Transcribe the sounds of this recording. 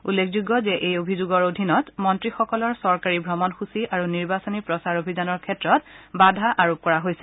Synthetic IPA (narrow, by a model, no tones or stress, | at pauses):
ṵlːekʰzuɡɔzɛʔejobʱizuɡɔɹodʱinɔtmɔntɹixɔkɔlɔɹsɔɹkaɹibʱɹɔmɔnxusiʔaɹuniɹbasonipɹɔsaɹobʱizanɔɹkʰɛtɹɔtbadʱaʔaɹop̚kɔɹaɦojsɛ̥